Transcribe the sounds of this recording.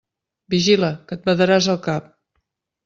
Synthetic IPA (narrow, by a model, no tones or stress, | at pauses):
biʒiləkət̪̚bəðəɾazəlˠkap̚